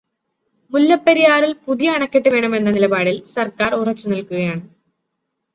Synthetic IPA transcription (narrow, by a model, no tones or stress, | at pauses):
mulːɐpːɐɾijaːɾilpuðijɐːɳɐkːiʈːɨʋe̞ːɳɐme̞nːɐnilɐbaːɽilsɐrkaːrurɐt͡ɕːɨnɐlkuɣɐjaːɳɨ